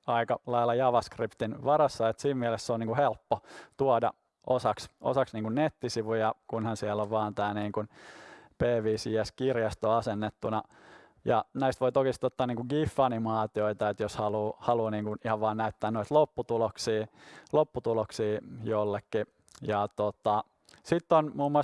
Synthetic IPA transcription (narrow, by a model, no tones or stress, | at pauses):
ɑikɑlɑilːˑɑjɑʋɑskript̪inʋɑrɑsːɑet̪siːmmiælesseoniːŋkuhelpːot̪uɑdɑ̰ | ʔosɑksʔo̰sɑksniːŋkunnet̪ːisiʋujɑkunhɑnsiɛlːoʋʋɑːnt̪æːniːŋkunpeːʋiːsiæskirjɑst̪oɑsenːet̪ːunɑ | jɑnæist̪ʋoit̪okist̪ot̪ːɑːniːŋkuŋɡifːɑnimɑːt̪ioit̪ɑet̪joshɑluːhɑluːniːŋkunihɑʋʋɑːnnæyt̪ːæːnoit̪lopːut̪uloksiːlopːut̪uloksiːjolːekːi | jɑt̪ot̪ɑ | sit̪ːonmuːmːuɑs